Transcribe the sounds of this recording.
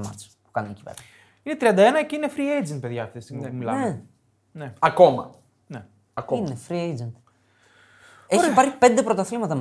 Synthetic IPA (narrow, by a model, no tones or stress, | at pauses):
mɐ̰t̪e̥spu̥kɐnuneci̥vḛɾmɐ | ine̞t̪ɾiɐnd̪ɐenɐceinefɾiejd͡ʒind̪̚peðʝɐfest̪iemilɐ̰me | neɐko̞mɐ̰ | ne | ɐkoinefɾiejd͡zend̪ | eɾpɐɾçipe̞nd̪e̞pɾot̪ɐθlimɐt̪ɐm